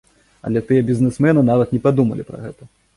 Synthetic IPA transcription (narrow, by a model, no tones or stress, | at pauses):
ɐ̰lʲɛt̪ɨjɛbʲizʲnɨsmɛnɨnavɐt̪nʲɛpad̪umɐlʲḭpɾɐ̰ɣɛt̪ɐ